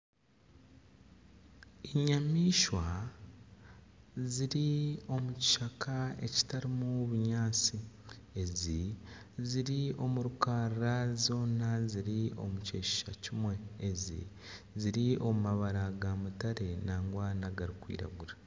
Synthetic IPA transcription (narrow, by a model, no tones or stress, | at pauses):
iɲamiːʃwa | ziɾio̞muci̥ʃakae̞̰ci̥taɾimuβuɲaːt͡si | eziziɾio̞muɾukaːɾɾazo̞ːnaziɾio̞̰muce̞ːʃi̥ʃa̰cimwe̞ːzḭ | ziɾio̞mumaβaɾaɡamutaɾe̞naːŋɡwaːnaɡaɾikwḭːɾa̰ɡuɾa